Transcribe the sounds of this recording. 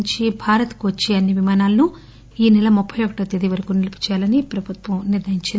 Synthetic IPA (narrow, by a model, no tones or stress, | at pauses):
ɲt͡ʃibʱaːɾɐt̪kuʋɐt͡ʃːiɐnːiʋimaːnaːlɐnu | iːnɛlɐmupʰːɐjɔkɐʈɐt̪ed̪iʋɐɾɐkuːnilipi̥t͡ʃjaːlɐnipɾɐbʱut̪ʋɐmniɾd̪ɐiɲt͡ʃi